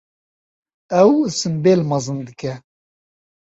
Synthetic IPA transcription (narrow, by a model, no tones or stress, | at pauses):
ɛwsɨmbeːlmɑzɨnd̪ɨkʰɛ